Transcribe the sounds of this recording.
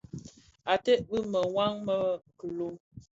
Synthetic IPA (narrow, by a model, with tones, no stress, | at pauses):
a˨tɛ˦ʔbi˦mə˨ŋwa˦ŋmə˦˨kə˨lo˦